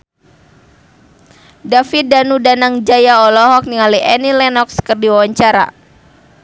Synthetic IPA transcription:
dafidanudanaŋd͡ʒajaɔlɔɦɔk̚niŋaliɛnilɛnɔkskərdiwawaɲt͡ʃaɾa̰

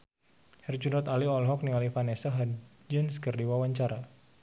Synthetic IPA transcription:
hɛrd͡ʒunɔt̪aliɔlɦɔk̚nialifanɛsaɦa | d͡ʒənskərdiwawaɲt͡ʃaɾa

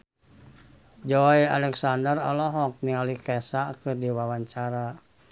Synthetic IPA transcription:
d͡ʒɔialɛksandəralɔɦɔk̚niŋalikɛsakɨrdiwawaɲt͡ʃaɾa

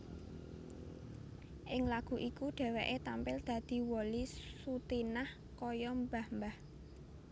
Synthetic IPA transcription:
ʔɪŋlaɡ̥ṳʔikuɖ̥ɛ̤wɛʔet̪ampɪld̪̥ä̤d̪̥i̤wɔlisut̪inah | kɔjɔmbahmbah

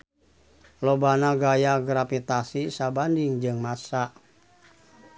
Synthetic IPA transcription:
lobanaɡajaɡɾafit̪asisabandɪŋd͡ʒɨŋmasaʔ

